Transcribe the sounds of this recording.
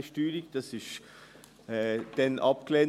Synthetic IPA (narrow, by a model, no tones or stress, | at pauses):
əʃtyːɾɪɡd̥ɑsɪʃ | ɛd̥ɛnʔɑp̚ɡ̥lɛn